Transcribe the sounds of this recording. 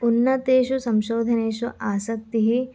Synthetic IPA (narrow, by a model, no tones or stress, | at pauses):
unːɐt̪eːʃusɐmʃoːd̪ʱɐneːʃuʔaːsɐk̚t̪iɦi